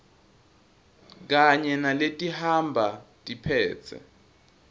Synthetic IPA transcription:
k̬aɲɛnaletʼihambʱatʼipʰɛːt͡sʰɛ̰

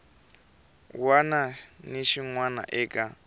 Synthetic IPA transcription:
wananiʃiŋwana̰ʔɛːkʼa

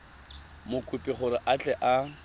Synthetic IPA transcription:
mʊkʼupʼɪχʊɾɪʔat͡ɬʼɛʔa

